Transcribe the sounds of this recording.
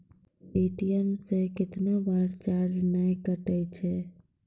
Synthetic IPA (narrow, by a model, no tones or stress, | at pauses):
eʈiɛmsẽkɪt̪nabaɾt͡ʃaɾd͡ʒnajkəʈət͡ʃʰɛ